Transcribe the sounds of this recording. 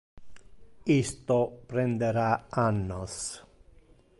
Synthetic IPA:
ist̪opɾend̪eɾaanːos

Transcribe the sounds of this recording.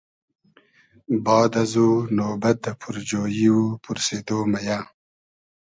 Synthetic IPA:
bɑːd̪azunoːbat̪̚d̪əpʰuɾd͡ʒoːjiupuɾseːd̪oːmajaː

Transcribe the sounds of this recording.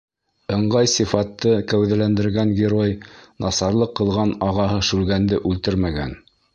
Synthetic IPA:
ɤ̆ɴɢɑjsifɑt̪ːɤkæwðælænd̪ɘ̆ɾɡæŋɡʲɪɾojnʔɑsɑɾlˠɤqːɤ̆lˠʁɑnɑʁɑɦɤʃʉlɡænd̪ɘʔʉlt̪ɘɾmæɡæ̰n

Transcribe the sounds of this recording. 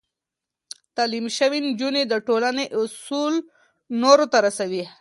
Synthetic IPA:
t̪alimʃəwind͡ʒuned̪əʈolaneʔʊsul | noɾot̪aɾasawi

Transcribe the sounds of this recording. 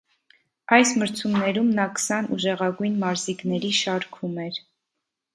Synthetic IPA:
ɑjsməɾt͡sʰumnɛɾumnɑkə̥sɑnṵʒɛʁɑɡujnmɑɾziknɛɾiʃɑɾkʰumɛɾ

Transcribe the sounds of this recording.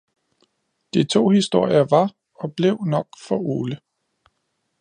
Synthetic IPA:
d̥it͡sʰo̝̰ːhisd̥o̝ɐ̰jɐʋɑ̈ | ɒ̽b̥le̝ʊ̰nɒ̽ɡ̥fɒʔo̝ːlə

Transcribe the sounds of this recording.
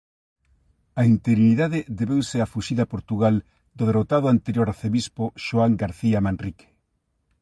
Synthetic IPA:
aint̪eɣɾiniðaðɪd̪eβewseafuʃiðapoɾt̪uɣal | d̪ʊðerot̪aðʊant̪eɾjoɾaθeβispoʃoaŋɡaɾθiamanrike̥

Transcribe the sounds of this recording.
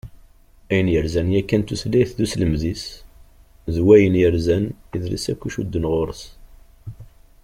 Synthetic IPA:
æjənjəɾzænjækːænt̪uθliθðusləmðis | ðwæjənjəɾzæniðlḭsækʷːuʃud̪ːənʁoɾəs

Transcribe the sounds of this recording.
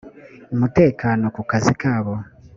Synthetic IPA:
umute̞ːkaːno̞kukazikaːβo̞

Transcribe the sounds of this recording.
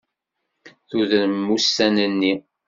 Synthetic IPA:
θuðɾəmːustænənːi

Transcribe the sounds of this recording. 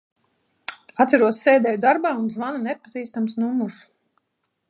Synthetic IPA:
at̪sæɾuɔsʲsːɛjd̪ɛːjud̪aɾbaːunzvanunɛpaziːst̪amsnumːus

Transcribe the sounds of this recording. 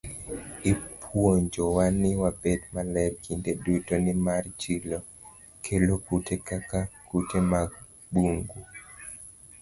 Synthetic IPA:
ɪpʰwoɲd͡ʒowanɪwabedmalɛɾkʰindedutonɪmart͡ʃilo | kʰelokutekakakutemaɡ | buŋɡu

